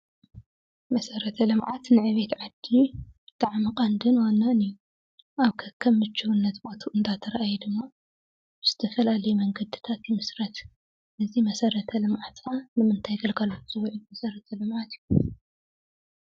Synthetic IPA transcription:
mɐsɐɾɐt̪ʰɐlɨmʕat̪nɨʕɨβet̪ʕad̪ːit̪ʰʼaʕmikʼand̪ɨnwanːaniju | ʔaβkʰɐkʰːɐmːɨt͡ʃːɨwunːɐt̪bot̪ʰuʔɨnd̪ʰat̪ʰɐɾaʔajid̪ɨmːa | bɨz̥ɨt̪ʰɐfɐlalɐjumɐŋɡɐd̪ɨ̥t̪ʰat̪jimɨsɾɐt̪ | ʔɨzimɐsɐɾɐt̪ʰɐlɨmʕat̪anɨmɨnt̪ʰajɡɐlɡalot͡sʼɨwuʕumɐsɐɾɐt̪ʰɐlɨmʕat̪ju

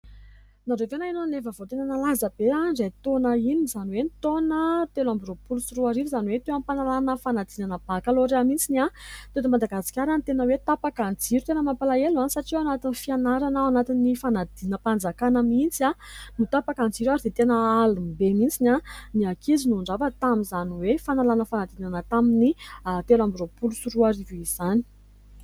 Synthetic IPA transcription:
naɾevenainonefəvot̪enənalazəb̥eazejt̪onəinizaniwenit̪onət̪elambiropulusuruaɾivzaniwet̪ewampanalanəfanad̪inanəbakaloɾeamint͡sinat̪enəmand̪aɡasi̥kʲaɾant̪enəwet̪apakand͡ziɾut̪enəmampalaelansaʈ͡ʂianat̪inifianaɾanaanat̪inːifanad̪̥inəpand͡zakanəmint͡sianut̪apakand͡ziɾuaɾid̪et̪enəalumibemint͡sinʲaniakizinuɳɖ͡ʐavət̪amizaniwefanalanəfanad̪inanət̪aminit̪elambiropulusuɾuaɾiviz̥ani̥

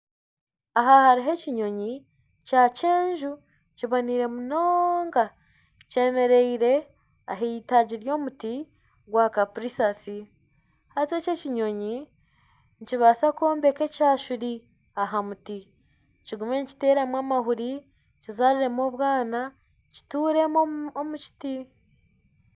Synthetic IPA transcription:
aɦahaɾiɦe̞ciɲo̞ɲi | caːceːɲʒu | ciβoniːɾe̞munoːŋɡa | ce̞me̞ɾe̞iɾe̞ | a̰ɦeitaɟiɾjo̞ːmuti | ɡwaːkapuɾisasi | haze̞ceciɲo̞ɲi | ɲciβasako̞ːmbe̞ke̞caːʃuɾi | aɦamuti | ciɡume̞nci̥te̞ːɾamwaːmahuɾi | cizaɾiɾe̞mo̞βwaːna | ci̥tuːɾe̞moomuci̥ti

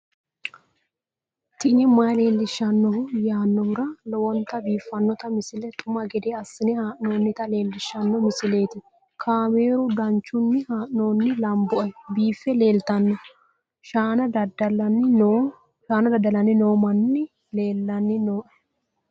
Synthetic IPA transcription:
t̪ɪnɪmɐjle̞ːlːɪʃːɐnːɔhʊjaːnːɔhʊɾɐlɔwɔnt̪ɐbiːfːɐnːɔt̪ɐmɪsɪlɛt̪ʼʊmɐɡɛd̪eːɐsːɪnɛhaːʔnoːnːɪt̪ɐle̞ːlːɪʃːɐnːɔmɪsɪle̞ːt̪ɪ | kʰaːmeːɾʊd̪ɐnt͡ʃːʊnːɪhaːʔno̞ːnːɪlɐmbɔʔɐbiːfːɛle̞ːlt̪ɐnːɔ | ʃaːnɐd̪ɐd̪ɐlɐnːɪ | ʃaːnɐd̪ɐd̪ːɐlɐnːɪno̞ːmɐnːɪ | le̞ːlːɐnːɪnoːʔɐ

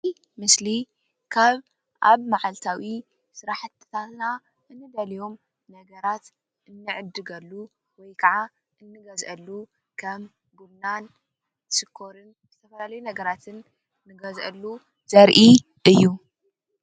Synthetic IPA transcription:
mɨsli | kʰaβ | ʔa̰βmaʕalt̪ʰawi | sɨɾaħɨt̪ʰːt̪ʰat̪na | ʔɨnːɨd̪ɐlijo̞m | nɐɡɐɾat̪ | ʔɨnːɨʕɨd̪ːɨɡɐlːu | wɔjkʰɐʕa | ʔɨnːɨɡɐzʔɐlːu | kʰɐm | bumnan | t̪ʰɨsɨkʰːoɾɨn | z̥ɨt̪ʰɐfɐlalɐjunɐɡɐɾat̪ʰɨnː | ɨɡɐzʔɐ̰lːu | z̥ɐɾʔi | ʔɨjːu

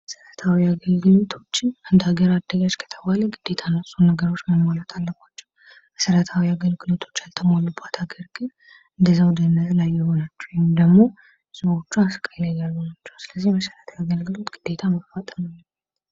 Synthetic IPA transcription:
səɾat̪ʰawiaɡəlɡɨlot̪ʰo̞t͡ʃːɪnand̪aɡəɾad̪ːəɡad͡ʒkʰə̥t̪ʰəbaləɡɨd̪̥ːe̞t̪ʰanəsʼunəɡəɾo̞t͡ʃːməmalat̪ʰalːəɡʷat͡ʃːɛ̥w | bəsəɾat̪ʰawiaɡəlɡɨlot̪ʰo̞t͡ʃːalt̪ʰəmolubat̪ʰhaɡəɾɡɨn | ʔɨnd̪əzːawd̪ənəzlajːɪho̞nat͡ʃːɛ̥wojmd̪əɡmo̞ | səwo̞t͡ʃːuaskʼəlajɡalɡɨnat͡ʃːɛwsɨləzːihməsəɾat̪ʰajaɡəlɡɨlot̪ɡ̥ɨd̪ːe̞t̪ʰaməffat̪ʼəmalːə

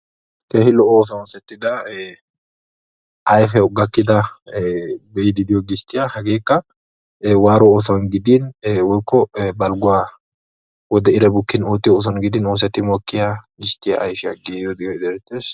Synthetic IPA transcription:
keːhɪlɔʔɔoːs̬ɐnoːsɛt̪ːɪd̪ɐ | ʔɐjfɛʊɡɐkːɪd̪ɐ | bɛʔɪd̪ɪd̪ɪjɔɡɪʃt̪ːɪjahɐɡe̞ːkːɐ | waːɾɔoːsɐnɡɪd̪ɪnwɔjkːɔbɐlɡʊwaː | wɔd̪ɛɪɾɛbʊkːɪnoːt̪ːɪjɔoːs̬ɐnɡɪd̪ɪnoːs̬ɛt̪ːɪmɔkːɪjaɡɪʃt̪ːɪjaʔɐjfɪjaɡeːjɔd̪ɪjɔɪd̪ɛɾɛt̪ːeːs

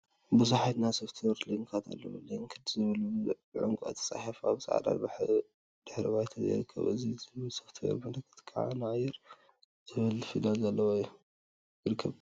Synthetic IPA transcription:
bɨzaħat̪nasoft̪ʰwoɾliŋkʰat̪ʰa̰lːɐ̰w̰liŋkʰɨd̪zɨβɐlu | ʕuŋkʼuɐ̰t̪ʰɐ̥sʼa̰ħifaβsa̰ʕa̰d̪a̰lbaħ | d̪̥ɨħɾiβajt̪ʰɐḭɾɨkʰːɐ̰βʔɨzizɨβɨlsoft̪ʰwo̰ɾmɐnɐkʰːɨ̥t̪kʰaʕa̰nɨʕajːɪɾ | zɨβɨlfilalzɐlːɐwajːu | jiɾɨkʰːɐβ

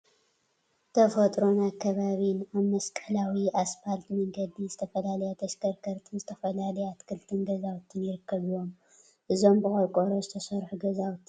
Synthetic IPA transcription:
t̪ʰɐfɐt̪ʼɾo̞nakʰːɐβaβinaβmɐskʼɐlawiasfalt̪mɐŋɡɐd̪izɨt̪ʰɐfɐlalɐjot̪ʰɐʃkʰɐɾkʰɐɾt̪ʰɨnzɨt̪ʰɐfɐlalɐjat̪kʰɨlt̪ʰɨnɡɐzawt̪ʰːɨnjɪɾɨkːɐβijo̞m | ʔɨzo̞mbɨkʼɐɾkʼoɾozɨt̪ʰɐsɐɾħuɡɐzawt̪ʰːɨ

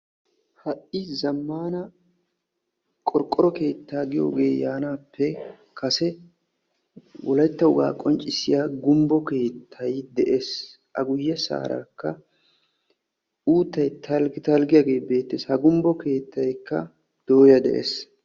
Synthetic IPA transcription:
hɐʔɪzɐmːaːnɐ | kʼɔɾkʼːɔɾɔke̞ːt̪ːaːɡɪjo̰ːɡeːjaːnaːpːɛ | kʰɐsɛ | wɔlɐjt̪ːɐʊɡa̰ːkʼɔnt͡ʃʼːɪsɪjaːɡʊmbɔke̞ːt̪ʰːɐjd̪ɛʔeːs | ʔɐɡʊjːɐsa̰ːɾa̰ːkːɐ | uːt̪ːɐjt̪ʰɐlɡɪt̪ɐlɡɪjaːɡe̞ːbe̞ːt̪ːeːshɐɡʊmbɔke̞ːt̪ːɐjkːɐ̰ | d̪̥o̞ːjɐd̪ɛ̰ʔḛːs

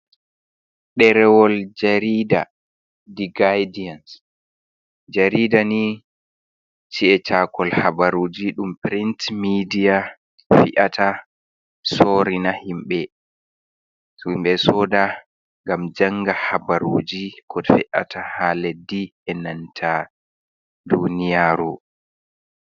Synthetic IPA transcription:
ɗɛɾɛwɔld͡ʒaɾiːda̰ | diɡajdians | d͡ʒaɾiːdani | t͡ʃiɛt͡ʃakɔlhabaɾoːd͡ʒiɗumpɾintmidija | fiʔatʰa | sɔɾinahimɓɛ | imɓɛsɔːda | ŋɡamd͡ʒaŋɡahabaɾoːd͡ʒikʰɔdfɛʔa̰tʰahalɛdiɛnantʰa | dunijaːɾu

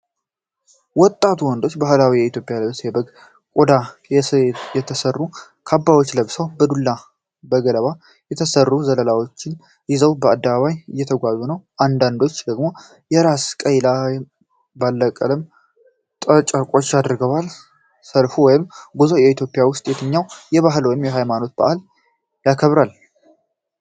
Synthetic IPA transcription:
wɔt̪ʼːat̪ʰuwɔnd̪o̞t͡ʃːbahlawijɛit̪jo̞pʼjaləβsjɛbəɡ | kʼod̪ajjɛt̪ʰəsərːu | kʰabːawot͡ʃːləβsəwbəd̪ulːa | bəɡələβa | jɛt̪ʰəsərːuzələlawo̞t͡ʃːɪn | jɪzəwbəad̪ːəβaβajɨjːɛt̪ʰəɡʷaβːunəwʔand̪and̪o̞t͡ʃːd̪əɡmo̞ | jɛɾaskʼəjla | balːəkʼəlɨm | t̪ʼət͡ʃʼəɾkʷʼo̞t͡ʃːjad̪ɾɡəwal | səlfuwɔjɪmɡuzojɛit̪ʰjo̞pʼɪjawʊst̪ʼjɛt̪ʰɨɲːawjɛβaɦɨlwɔjɪmjɛɦajmano̞t̪̚ba̰ʔal | jakʰəβɾal

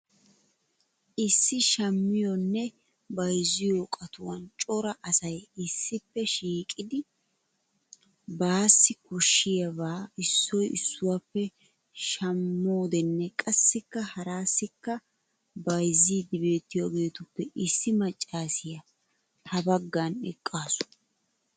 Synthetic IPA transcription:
ʔɪsːɪʃɐmːɪjɔnːɛ | bɐjzɪjoːkʼɐt̪ʊwɐnt͡ʃʼɔɾɐʔɐsɐjɪsːɪpːɛʃiːkʼɪd̪ɪ | baːsːɪkɔʃːɪjɐbaːɪsːɔjɪsːʊwapːɛ | ʃɐmːo̞ːd̪ɛnːɛkʼɐsːɪkːɐhɐɾaːsːɪkːɐ | bɐjzid̪ɪbe̞ːt̪ːɪjoɡe̞ːt̪ʊpːɛʔɪsːɪmɐt͡ʃʼːaːsɪjɐ | hɐbɐɡːanɛ̰kʼːaːsʊ̥

